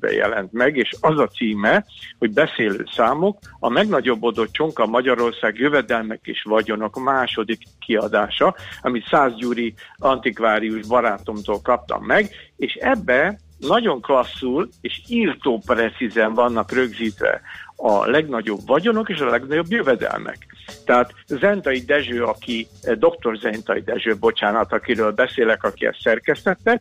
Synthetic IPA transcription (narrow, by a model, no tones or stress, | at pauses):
bɛ̰jɛ̰lɛ̰nt̪mɛɡeːʃɒzɒt̪siːmɛho̞ɟbɛseːlø̰ːsaːmokɒmɛɡnɒɟo̞bːo̞d̪o̞t͡ʃo̞ŋkɒmɒɟɒɾo̞rsaːɡjøvɛd̪ɛlmɛkḛːʃʋɒɟo̞no̞kmaːʃo̞d̪ikːiɒd̪aːʃɒɒmit̪saːzɟuːɾiɒnt̪ikvaːɾiuʒbɒɾaːt̪o̞mt̪oːlkɒp̚t̪ɒ̰mːɛɡeːʃɛbːɛ | nɒɟo̞ŋklɒsːuleːʃiːrt̪oːprɛt̪sizɛɱvɒnːɒkrø̞ɡziːt̪ʋɛ̰ɒ̰lɛɡnɒɟo̞bvɒɟo̞no̞keːʃɒlɛɡnɒɟo̞bjøvɛd̪ɛ̰lmɛ̰kt̪ɛɦaːt̪zɛnt̪ɒid̪ɛʒøːɒki | d̪o̞kt̪o̞rzɛnt̪ɒjid̪ɛʒøːbo̞t͡ʃaːnɒt̪ɒkiɾøːlbɛseːlɛkɒkiɛ̰sːɛrkɛst̪ɛt̪ːɛ